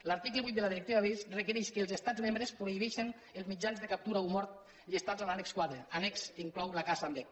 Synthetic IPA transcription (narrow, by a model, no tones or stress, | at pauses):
laɾt̪ikləβit̪d̪elaðiɾekt̪iβaβisrəkəɾɛʃkəːlˠzest̪azmẽmbɾespɾoiβɛʃen | elˠzmid͡ʒanzðekap̚t̪uɾaumɔɾt̪̚ | ʎest̪azalanekskwaðɾeanɛksiŋklɔwlakasambɛk